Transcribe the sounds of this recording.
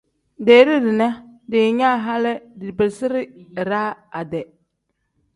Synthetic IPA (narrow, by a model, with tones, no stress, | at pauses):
deː˨˦ɾi˦dɪ˨na˦dɪ˨ɲa˦ɦa˦lɪ˦dɪ˨bɪ˨lsɪ˦ɾɪ˦˨ɾaː˦a˨dɛ˨